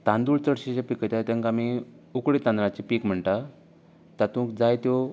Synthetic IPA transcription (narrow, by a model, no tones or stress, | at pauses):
t̪ãnd̪uɭt͡səɽɕit͡ɕapikət̪at̪ãŋkami | ukɽit̪and̪ɾãt͡ɕipiːkm̤əɳt̪a | t̪at̪ũːkd͡zajt̪jo